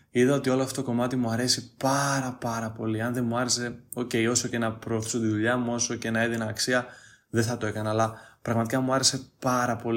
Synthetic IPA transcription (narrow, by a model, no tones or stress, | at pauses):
iðɐo̞t̪io̞loɐft̪ot̪okomɐt̪imuɐɾe̞sipɐɾɐpɐɾɐpo̞liɐnðe̞muɐɾe̞se̞o̞ce̞io̞so̞cenɐpɾo̞ːθi̥sot̪iðuʎɐmuo̞so̞cenɐeðinɐːksiɐðeθɐt̪o̞e̞kɐnɐːlɐpɾɐɣmɐt̪ikɐmuɐɾe̞se̞pɐɾɐpo̞li